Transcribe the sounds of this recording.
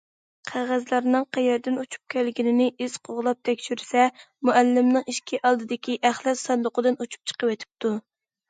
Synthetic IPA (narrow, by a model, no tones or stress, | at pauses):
qʰæʁæzlˠɑɾnɨŋqʰæjɛɾd̪ɪnut͡ʃʰu̥p̚kʲʰɛlɡʲinɪnɪʔiz̥qʰoʁlˠɑp̚t̪ʰɛkʲʃyɾsɛ | muælːɪmnɨŋiʃkʲʰiʔɑlˠd̪ɨd̪ɪkʲiʔæχlˠæsɑnd̪ʊqəd̪ɨnut͡ʃʰu̥p̚t͡ʃʰə̥qəwɛt̪ʰɪ̥p̚t̪u